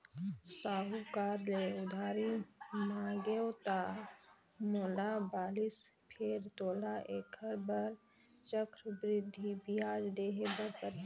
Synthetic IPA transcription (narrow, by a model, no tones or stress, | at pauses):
saːɦukaːɾleʊd̪ʱaːɾimaːɡeot̪a | moːlabaːlispʰeɾt̪oːlaʔeːkʰəɾbəɾ | t͡ʃəkɾbɾɪd̪ʱːibiaːd͡ʒd̪eːɦebəɾpəɾ